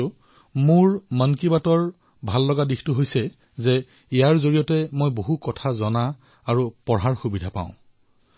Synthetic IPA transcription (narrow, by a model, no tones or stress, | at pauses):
mʊɹmankibatɔɹ | bʱalːɔɡadixtuɦojsɛ | zɛ | ijaɹzoɹijɔtɛmojboɦukɔtʰazɔnaː | ɹupɔɹɦaɹxubidʱapã̰ʊ̃